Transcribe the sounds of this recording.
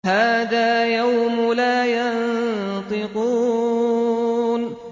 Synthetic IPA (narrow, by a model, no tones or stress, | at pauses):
haːðaːjawmʊlaːjant̪ˤɨquː | n